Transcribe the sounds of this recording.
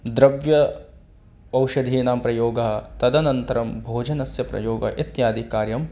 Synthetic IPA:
d̪ɾɐʋjɐ | ɐwʃɐd̪ʱiːnaːmpɾɐjoːɡɐɦɐt̪ɐd̪ɐnɐnt̪ɐɾɐmbʱoːd͡ʒɐnɐsjɐpɾɐ̰joːɡɐʔit̪jaːd̪ʱikaːɾjɐm

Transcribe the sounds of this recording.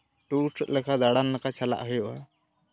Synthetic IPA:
ʈusʰət̪̚lɛkʰad̪aɽanlakat͡ʃʰala̰ʔɦɯjɔʔa̰

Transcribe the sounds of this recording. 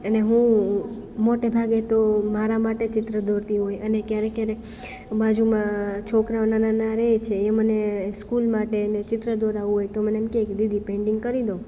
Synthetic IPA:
əneɦũ | moʈebʱaɡet̪omaɾamaʈet͡ʃɪt̪ɾəd̪oɾt̪iɦojənekjaɾekjaɾe | bãd͡ʒumãt͡ʃʰokɾaʋnananaɾet͡ʃʰeːməneskulmaʈenet͡ʃɪt̪ɾəd̪oɾaʋũɦojt̪omənemkeːkd̪id̪ʱipẽɳɖɪŋɡkəɾid̪õ

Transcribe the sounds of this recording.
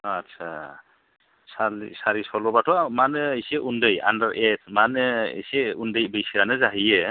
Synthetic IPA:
atsʰa̰ | salsaɾisɔlɔbatʰɔmanɯejseʔundɯja̰ndaɾʔet̚ʰmanɯḛseundɯjbɯjsiɾanɯzaɦije

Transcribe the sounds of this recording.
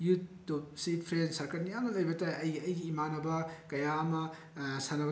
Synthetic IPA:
jutː | ub̚sit̚pʰɾensɐɾkɐɾnijamnɐlɐjbɐtaɐjɐjɡiːmanɐbɐkɐjamɐ | sanɐb

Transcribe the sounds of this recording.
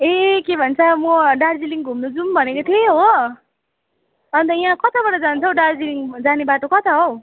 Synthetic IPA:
ekebʱʌnt͡sʰʌmʌɖard͡ziliŋɡʱumnud͡zumbʱʌnekot̪ʰjeɦo | ʌnt̪ʌjãkʌt̪ʰabaʈʌd͡zant͡sʰʌwɖard͡ziliŋd͡zanebaʈokʌt̪ʰaɦo

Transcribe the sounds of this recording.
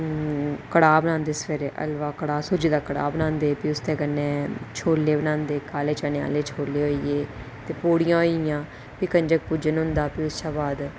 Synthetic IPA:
kəɽaːbənãːnd̪eːsə̥pʰeɾeːʔə̰lʋaːkəɽaːsʊd͡ʒiːd̪aːkəɽa̰ːbənãːnd̪eːpiːʊst̪ẽːkənːeːt͡ʃʰoːlːeːbənãːnd̪eːkaːleːt͡ʃaːneːa̰ːleːt͡ʃʰoːlːeːɦoːiːeː | t̪eːpoːɽɪjãːɦoijãː | piːkəɲd͡ʒək̚puːd͡ʒənɦʊnd̪aːpiːʊsʃaːbaːd̪

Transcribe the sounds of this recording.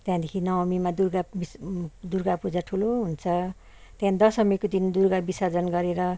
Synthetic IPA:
t̪jãd̪ekʰinʌmimad̪urɡabid̪urɡapud͡zaʈʰuloɦunt͡sʰʌ | t̪jãd̪ʌsʌmikod̪ind̪urɡabisad͡zʌnɡʌɾeɾʌ

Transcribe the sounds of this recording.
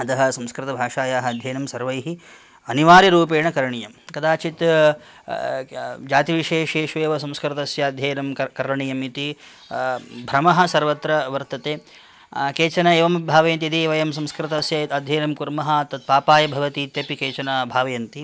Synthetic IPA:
ɐt̪ɐɦɐ̆sɐ̃mskɾɪt̪ɐbʱaːʂaːjaːɦɐɐd̪ʱjɐːnɐmsɐɾʋɐjɦi | ɐniʋaːɾiɾuːpeːɳɐkɐɾɐɳijɐmkɐd̪aːt͡ʃit̪ | d͡ʒaːt̪iʋiʃeːʂeːʂʋeːʋɐsɐ̃mskɾit̪ɐsjɐd̪ʱjɐːnɐmkɐɾɐɳijɐmit̪i | bʱɾɐmɐɦɐ̆sɐɾʋɐt̪ɾɐʋɐɾt̪ɐt̪eː | keːt͡ʃɐnɐeːʋɐmbʱaːʋɐjɐnt̪̬iɐt̪iːʋɐjɐmsɐ̃mskɾit̪ɐsjɐɐd̪ʱjɐːnɐmkuɾmɐɦɐ̆t̪ɐt̪̚paːpaːjɐbʱɐʋɐt̪iːt̪jɐpikeːt͡ʃɐnɐbʱaːʋɐjɐnt̪i

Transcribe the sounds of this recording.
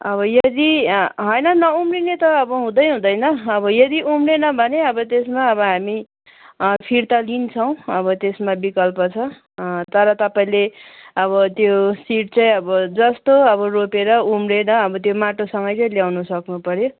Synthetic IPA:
ʌβʌjʌd̪iɦʌjnʌnʌumrinet̪ʌːbʌɦũd̪ʌjɦũd̪ʌjnʌːbʌjʌd̪iʔumrenʌbʱʌneʌbʌt̪esmaʌbʌɦami | pʰiɾt̪alint͡sʰʌw̃ʌbʌt̪esmabikʌlpʌt͡sʰʌ | t̪ʌɾʌt̪ʌpaĩleʌβʌt̪josiʈ̚t͡saj̃ʌbʌd͡zʌst̪oʌβʌropeɾʌumrenʌʌbʌt̪jomaʈosʌŋɡʌjt͡sʌĩljawnʌsʌknupʌɾjo

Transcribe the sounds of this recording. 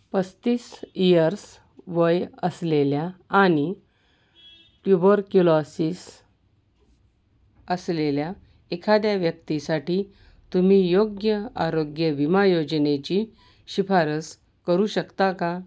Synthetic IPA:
pəst̪iːsijəɾs | ʋəjəsleljaːɽ̃i | pjubəɾkulɔsiːs | əslelja | ekʰad̪jaʋjək̚t̪isaʈiː | t̪um̤iːjoɡjəaɾoɡjəʋimajod͡ʑnet͡ɕi | ɕifʰaɾəs | kəɾuɕəkt̪aka

